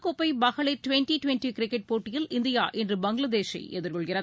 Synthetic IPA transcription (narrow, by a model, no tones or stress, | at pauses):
kɔpːɐɪbɐɣɐɭɐɪʈʊʋɛnʈiʈʋɛnʈikɾɪkːɛʈ̚poːʈːɪjɪlɪnd̪ɪjaːʔɛndrɯbɐŋɡɭɐd̪eːʃɐ̰ɪʔɛðɯɾkɔɭɣɪrɐ